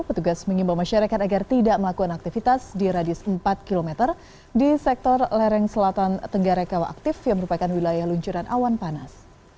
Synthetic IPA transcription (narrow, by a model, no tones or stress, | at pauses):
pət̪uɡasməŋimbawmaʃaɾakat̪aɡart̪idaʔməlakukanak̚t̪ifit̪asdiɾadɪsəmpat̪̚kilomɛt̪ər | disɛk̚t̪ɔrlɛɾɛŋsəlat̪ant̪əŋɡaɾakawaʔa̰k̚t̪ɪfjaŋməɾupakanwilajahluɲt͡ʃuɾanʔa̰wanpanas